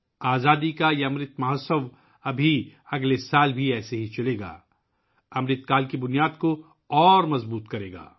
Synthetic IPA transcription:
aːzaːd̪ikajaɐmɾɪt̪mɐɦɐsəʋ | ɐbʱiɐɡlesaːlbʱiɛːseɦit͡ʃɐleːɡa̰ː | ɐmɾɪt̪kaːlkibʊnijaːd̪ko | ɔːɾmɐzbuːt̪kɐɾḛːɡa̰ː

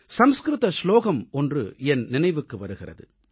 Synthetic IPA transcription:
sɐmskɾɯt̪ɐsloːɣɐmɔndrɯ̰ɛnnɪnɐɪʋɯkːɯʋɐɾɯɣɪrɐ̰ðɯ̰

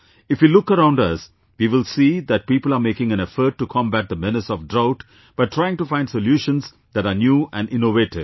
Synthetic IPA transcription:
ɪfʋilʊkəɾãʊ̃nɖʌs | ʋiːʋɪlsiːd̪æʈ̚piːpəl̩aːɾmeːkɪ̃ŋæ̃ñɛfəɾʈːukʰɔ̃mbæʈ̚d̪əmɪnəsɔʋɖɾaʊʈ | b̥aɪʈʰɾaɪɪ̃ŋʈufãɪ̃nɖsoljuːʃə̃nz | d̪æʈanjuːʔæ̃nɖɪ̃noʋeːʈɪd

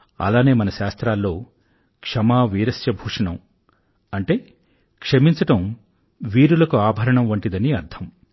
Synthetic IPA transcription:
ɐ̰laːne̞ːmɐnɐʃaːst̪ɾaːlːo̞ː | kʂɐmaːʋiːɾɐsjɐbʱuːʂɐɳɐm | ɐɳʈe̞ː | kʂɐmiɲt͡ʃɐʈɐm | ʋiːɾulɐkuaːbʱɐɾɐɳɐmʋɐɳʈid̪ɐniɐɾd̪ʰʱɐm

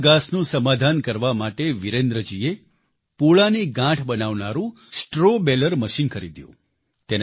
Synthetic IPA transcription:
ɡasnũsəmad̪ʱankəɾʋamaʈeʋiɾẽnd̪ɾəd͡ʒie | poɭaniɡãʈʰbənaʋnaɾũ | sʈɾobɛləɾməʃinkʰəɾid̪jṵ̃ | t̪en

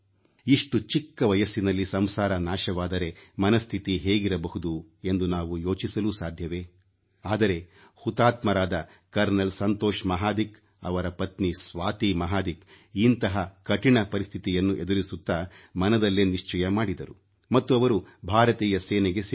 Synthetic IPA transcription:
iʂʈut͡ʃikːɐʋɐjɐsːinɐlːisɐmsaːɾɐnaːʃɐʋaːd̪ɐɾe̞mɐnɐst̪ʰit̪iɦeːɡiɾɐbɐɦud̪ue̞nd̪unaːʋujo̞ːt͡ʃisɐluːsaːd̪ʱjɐʋe̞ː | aːd̪ɐɾe̞ | hut̪aːt̪mɐɾaːd̪ɐ | kɐɾnɐlsɐnt̪oːʃmɐɦaːd̪ik | ɐ̰ʋɐɾɐpɐt̪nisʋaːt̪imɐɦaːd̪ik | int̪ɐɦɐkɐʈiɳɐpɐɾist̪ʰit̪ijɐnːuʔe̞d̪uɾisut̪ːamɐnɐd̪ɐlːeːniʂt͡ʃɐjɐmaːɽid̪ɐɾu | mɐt̪ːuɐʋɐɾubʱaːɾɐt̪iːjɐseːnɛɡe̞s

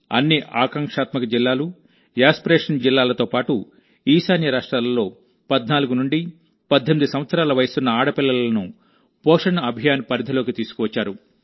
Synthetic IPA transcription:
ɐ̰nːiʔaːkɐŋkʂaːt̪mɐkɐd͡ʒilːaːlu | jaːspɾeːʂɐnd͡ʒilːaːlɐt̪o̞ːpaːʈu | iːsaːnjɐɾaːʂʈɾaːllo̞ː | pɐd̪naːluɡunuɳɖi | pɐd̪ʱːɐmid̪usɐmʋɐt̪sɐɾaːlɐʋɐjɐsunːɐaːɽɐpilːɐlɐnu | pɔːʂɐnɐɐbʱijaːnpɐɾid̪ʱɐlo̞ːkit̪iːsu̥kuʋɐt͡ʃːaːɾu

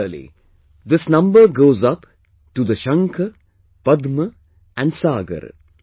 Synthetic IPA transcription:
lḭ | d̪ɪsnʌ̃mbəɾɡoːzʌp | ʈud̪əʃʌ̃ŋkʰə | pʌd̪mə | ʔæ̃ɳɖsaːɡə̰ɾ

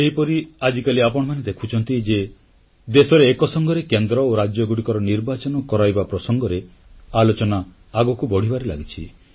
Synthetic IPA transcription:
eɦipɔɾiad͡ʒikaliapɔɽ̃ɔmaned̪ekʰut͡ʃʰɔnt̪id͡ʒe | d̪esɔɾeːkɔsɔŋɡɔɾekend̪ɾɔoɾad͡ʒjɔɡuɽikɔɾɔniɾbat͡ʃɔnɔkɔɾajbapɾɔsɔŋɡɔɾe | alot͡ʃɔna | aɡɔkubɔɽ̤ibaɾila̰ɡit͡ʃʰḭ

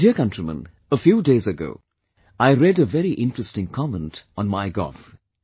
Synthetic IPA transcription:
d̥iəkʌ̃ntɹimə̰̃n | əfjuːdeɪzəɡo̰ʊ | aɪɾɛdəvɛɾiʔɪ̃ntɹəstɪ̃ŋkʰɑmə̃ntɔ̃n̩maɪɡɔ̰f

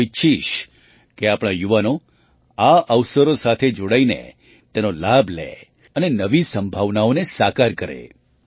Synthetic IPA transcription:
iʃiʃ | keapɽ̃ajuʋano | aəʋsəɾosat̪ʰed͡ʒoɽainḛ | t̪enolabʱlḛ | ənenəʋisəmbʱaʋnaonesakaɾkəɾḛ

